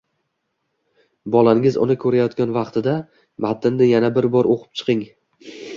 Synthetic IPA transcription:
bɒlˠaɪŋɪzʊ̰nɪkʰɵɾajɒt̪ɡʲanvɑqt̪ʰɪd̪a | mat̪ʰɪnːɪjanabɪɾbɒɾoqʰɨ̥p̚t͡ʃʰɨ̥qʰɪŋ

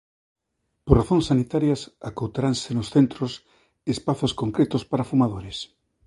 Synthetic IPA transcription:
poraθoŋsanit̪aɾjasakowt̪aɾansenosθent̪ɾos | espaθoskoŋkɾet̪ospaɾafumað̞oɾes

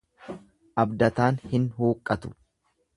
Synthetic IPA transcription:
ʔɐbd̪ɐt̪aːnhɪnhuːkʼːɐt̪ʊ̥

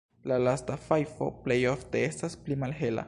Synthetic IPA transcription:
lalastafajfo̞̰ple̞jo̞fte̞e̞stasplimalɦe̞la̰

